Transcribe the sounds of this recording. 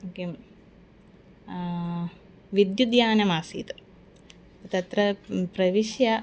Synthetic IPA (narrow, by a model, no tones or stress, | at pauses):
oːkem | ʋid̪jud̪jaːnɐmaːsḭːt̪u | t̪ɐt̪ɾɐpɾɐʋiʃjɐ